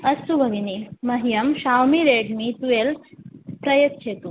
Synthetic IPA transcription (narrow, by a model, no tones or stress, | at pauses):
ɐst̪ubʱɐɡinimɐɦijɐmɕawmiɾeɖmit̪ujelpɾɐjɐt̪t͡ʃʰet̪u